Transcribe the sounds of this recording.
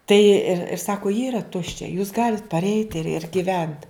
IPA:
tɐɪ ɪr ɪr ˈsɑːkoː jɪ iːrɐ ˈtʊʃʲt͡ʃʲɛ juːs ˈɡɑːlʲɪt pɐrʲˈɛɪt ɪr ɪr ɡʲɪˈʋʲɛnt

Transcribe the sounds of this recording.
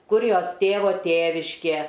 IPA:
ˈkʊr ˈjoːs ˈtʲeːʋoː ˈtʲeːʋʲɪʃʲkʲeː

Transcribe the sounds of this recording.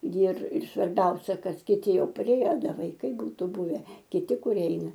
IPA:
jɪr ɪr sʋɐrʲˈbʲɛʊsʲɛ ˈkɐt kʲɪˈtʲɪ ˈjɛʊ pɐˈrʲeːjɛ ˈdɐ ʋɐɪˈkɐɪ ˈbuːtʊ ˈbʊʋʲɛ kʲɪˈtʲɪ kʊˈrʲiɛ ˈɛɪnɐ

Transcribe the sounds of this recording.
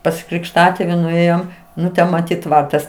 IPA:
pɐs krʲɪkʃˈtɑːtʲeːʋʲɪ nʊˈeːjoːm ˈnʊ ˈtʲɛn mɐˈtʲiːt ˈtʋɐrtɐs

